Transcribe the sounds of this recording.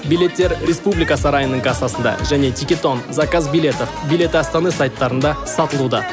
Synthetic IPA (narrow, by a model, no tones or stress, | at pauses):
bijle̞t̪ːe̞ɾɾe̞spublijkɑsɑɾɑjənəɴkɑsɑsənd̪ɑ̰ʒæne̞t̪ʰikʲe̞t̪o̞nzɑkɑzbilʲet̪ofbijlʲe̞t̪ɪɑst̪ɑnəsɑjt̪ːɑɾənd̪ɑsɑt̪əlˠud̪ɑ